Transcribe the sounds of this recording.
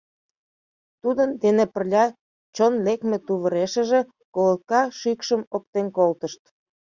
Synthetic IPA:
t̪ud̪ənd̪enepə̆rlʲɑ | t͡ɕonlekmĕt̪uβə̆ɾeʃə̆ʒĕ | kolət̪̚kɑʃykʃəmok̚t̪enkolt̪əʃt̪

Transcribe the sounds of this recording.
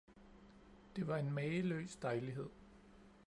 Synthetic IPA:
d̥e̝ʋɑ̈e̝nmɛːəlø̰ːsd̥ɑ̈ɪliɦe̝ð̰ˠ

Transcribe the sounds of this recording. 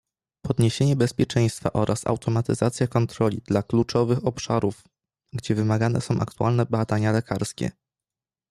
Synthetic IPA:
pɔd̪ɲeɕeɲɛbɛspʲjɛt͡ʂɛ̃j̃st̪fa̰ʔɔɾʔasa̰wt̪ʰɔmat̪ɘzat̪sʲjakɔnt̪ɾɔlʲid̪laklut͡ʂɔvɘxɔpʂa̰ɾuf | ɡd͡ʑɛvɘmaɡanɛ̰sɔ̃w̃ʔa̰kt̪ualnɛbad̪aɲalɛkaɾskʲɛ̰

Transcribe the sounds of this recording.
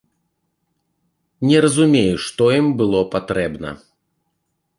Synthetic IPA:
nʲɛɾɐzumʲejuʂt̪ɔjimbɨlˠɔpat̪ɾɛbnɐ̰

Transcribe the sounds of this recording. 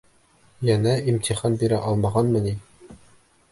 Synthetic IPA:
jænæimt̪iχɑnbiɾæʔɑlˠmɑʁɑnmɤ̆ni

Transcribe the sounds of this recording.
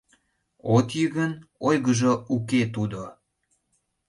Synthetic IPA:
ot̪jəɣənojɣəʒouket̪ud̪o

